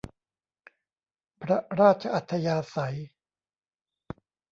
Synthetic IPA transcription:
pʰɾa˦˥ɾaː˥˩t̪̚t͡ɕʰa˧ʔa˨˩t̪ʰːa˧jaː˧sa˩˦j

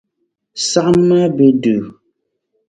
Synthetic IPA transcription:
sa˦ʔma˦be˦dʉ˨

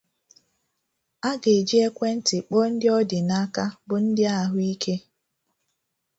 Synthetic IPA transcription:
a˦ɡe˨d͡ʒi˦e˦kʷe˦n̩˦tɪ˨k͡pɔ˦n̩˦dɪ˦ɔ˦dɪ˨na˦ka˦bʊ˨n̩˦dɪ˦a˦ɦʊ˦i˦kʰe˦

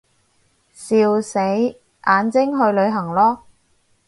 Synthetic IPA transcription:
siː˧wse˨˥j | ʔaː˨˧nt͡sɪ˥ŋɦɵ˧ɥlɵ˨˧ɥɦɐ˨˩ŋlɔː˥

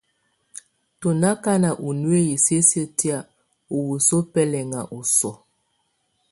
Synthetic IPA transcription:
to˨na˦ka˦na˨ʔu˨nu˦e˦ji˨se˦sə˦˨ti˦a˨ | u˨wu˨so˦pɛ˦lɛ˨ŋa˨ʔu˨sɔ˨

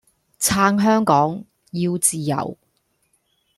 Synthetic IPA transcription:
t͡sʰaː˧ŋɦœː˥ŋkɔː˨˥ŋ | jiː˧wt͡siː˨jɐ̰˨˩w

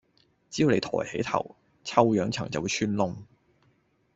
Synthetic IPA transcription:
t͡si˥ju˧wle˨˧jt̪ʰɔ̰ː˨˩jhḛ˨˥jt̪ʰɐ̰˨˩w | t͡sʰɐ˥wjœː˨˥ŋt͡sʰɐ̰˨˩ŋt͡sɐ˨wu˨˧jt͡ʃʰyː˥nlʊ˧ŋ

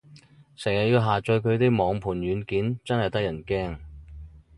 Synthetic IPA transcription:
sɛː˨˩ŋjɐ˨˩jiː˧wɦaː˨t͡ʃœ˧kʰɵ˨˧ɥt̪iː˥mɔː˨˧ŋpʰuː˨˩nɥyː˨˧nkiː˨˥nt͡sɐ˥nhɐ˨jt̪ɐ˥kjɐ˨˩nkɛː˥ŋ

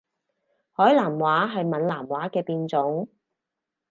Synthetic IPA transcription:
hɔː˨˥jlaː˨˩mwaː˨˥ɦɐ˨jmɐ˨nlaː˨˩mwaː˨˥kɛː˧piː˧nt͡sʊ˨˥ŋ

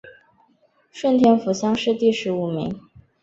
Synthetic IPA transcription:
ʂwə˥˩nt̪ʰjɛ˥nfu˧˥ɕjɑ˥ŋʂɻ̩˥˧t̪i˥˩ʂɻ̩˧˥u˨˩mḭ˧˥˦ŋ

